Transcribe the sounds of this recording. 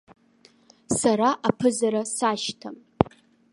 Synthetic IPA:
saɾaʔapʰɨzaɾasaʃtʰam

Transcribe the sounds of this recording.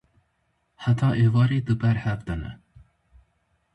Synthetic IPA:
ħat̪ʰɑːʔevɑːɾiːd̪ɨbɛɾhɛvd̪ɛnɛ̰

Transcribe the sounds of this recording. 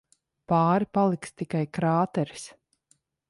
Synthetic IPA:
paːɾipalˠikst̪ikajkɾaːt̪ɛɾi̥s

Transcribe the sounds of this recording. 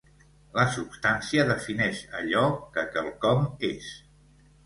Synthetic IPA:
ləsupst̪ansiəðəfinɛʃə̰ʎɔkəkəlˠkɔmes

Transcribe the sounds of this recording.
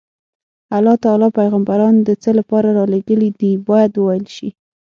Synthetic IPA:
alːɑt̪ɑlɑpajɣambaɾɑnd̪ət͡səlapɑɾaɾɑleɡəlid̪ibɑjad̪wəwajəlʃi

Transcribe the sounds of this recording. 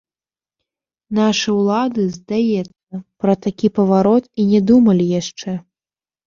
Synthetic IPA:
naʂɨwlˠad̪ɨzd̪ajɛt̪sːɐpɾɐt̪akʲipɐvaɾɔt̪inʲɛd̪umɐlʲijaʂt͡ʂɛ

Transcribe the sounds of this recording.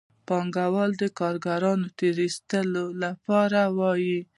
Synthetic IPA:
pɑŋɡawɑld̪əkɑɾɡaɾɑnot̪eɾist̪əlolapɑɾawɑji

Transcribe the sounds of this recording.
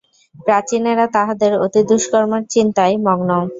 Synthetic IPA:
pɾat͡ɕineɾat̪aɦad̪eɾot̪id̪uʃkɔɾmeɾt͡ɕint̪ajmɔɡno

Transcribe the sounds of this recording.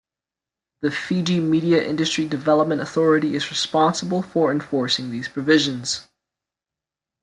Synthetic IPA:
ðɨfid͡ʒimiɾiɨʔɪ̰̃ndɨstɹ̥idɨvɛlˠəp̚mɨ̃ntəθɔɹɨɾiɨzɹɨspɑ̃nsəbəl̩ˠfə˞ɨ̃ɱfɔɹsɪ̃ŋðiz̥pʰɹ̥ɨvɪʒɨ̃nz̥

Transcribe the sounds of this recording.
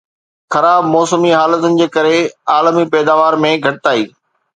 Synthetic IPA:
xɐɾaːbmɔːsəmiɦaːlət̪ʊnɪ̆d͡ʑeːkɐɾeaːlmipɛːd̪aːʋaːɾmẽɡʱɐʈɪt̪aːiː

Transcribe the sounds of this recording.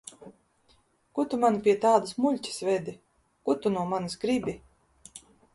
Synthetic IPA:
kut̪umanipʲiɛt̪aːd̪ɨsmuʎʲcʲi̥svɛd̪i | kut̪unuɔmanɨsɡɾibʲi

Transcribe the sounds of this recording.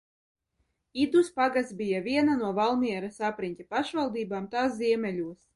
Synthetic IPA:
id̪uspaɡasbʲijavʲiɛnanuɔvalˠmiɛɾasapɾinʲt̪ʲapaʃvalˠd̪iːbaːmt̪aːs̬zʲiɛmʲɛlʲuɔs

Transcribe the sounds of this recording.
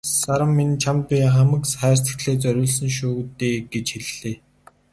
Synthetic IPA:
saɾə̆mːint͡ɕʰampiːŋχamə̆ksχæːr̥t͡sə̥̆t̪ɮeːt͡sœɾʲʊːɮsə̆nʃuːt̪eːɡ̥et͡ɕxeɮɮeː

